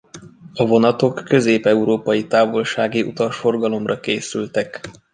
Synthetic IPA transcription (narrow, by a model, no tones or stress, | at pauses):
ɒvo̞nɒt̪o̞kːø̞zeːpɛuɾoːpɒjit̪aːvo̞lʃaːɡiṵt̪ɒʃfo̞rɡɒlo̞mrɒkeːsylt̪ɛk